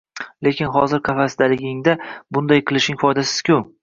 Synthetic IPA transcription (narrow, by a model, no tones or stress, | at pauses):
le̞kʲʰɪnɦɒzɪɾkʲʰafasd̪alɪɡʲɪŋd̪abʊnd̪ajqʰɨlˠɪʃɪŋfɒjd̪asɪ̥z̥kʲʰʊ